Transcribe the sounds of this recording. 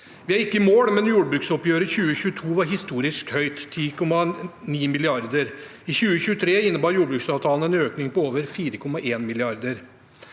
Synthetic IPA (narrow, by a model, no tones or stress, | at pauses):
ʋɪæɾɪkːəmoːɽmɛnjuːɽbɾʉksɔpjøːɾəçʉːəçʉːət̪ʰuːʋɑɾɦɪst̪uːɾɪskhœʏt̪ʰːiːkʰɔmːɑniːmɪlɪɑɾd̪əɾ | içʉːəçʉːət̪ʰɾeːɪnːəbɑːɾjuːɖəbɾʉːksɑːʋt̪ʰɑːln̩ɛːnøːknɪŋpɔoːʋəɾfiːɾəkʰɔmːɑʔeːnmɪlɪɑɾd̪əɾ